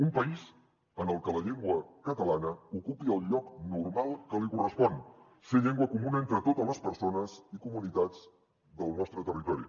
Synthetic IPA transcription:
umpəiz | ənəlˠkələʎeŋɡwəkət̪əlanəukupiəlˠʎɔknuɾmalˠkəlikurəspɔn | seʎeŋɡwəkumunent̪ɾət̪ot̪ələspəɾsonəzikumunit̪ad͡z | d̪əlˠnɔst̪ɾət̪ərit̪ɔɾḭ

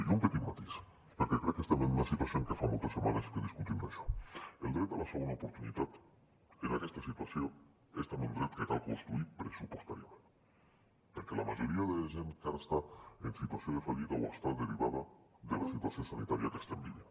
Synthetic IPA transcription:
umpet̪it̪mat̪is | pəɾkekɾɛkːest̪emenunasit̪wasioŋkefamolˠt̪esːemaneskeðiskut̪imaʃɔ̥elˠd̪ɾɛt̪alasaunaupoɾt̪unḭt̪at̪ | enakɛst̪asit̪wasjo | est̪emund̪ɾɛt̪ket̪alkonst̪ɾuipɾesupost̪aɾiamẽn | peɾkelʔamaʒoɾiaðelaʒenkaɾast̪aensit̪wasioð̞efaʎiɣawa̰st̪ad̪eɾiβaðad̪elasit̪wasjosanḭt̪aɾjakest̪embiβa

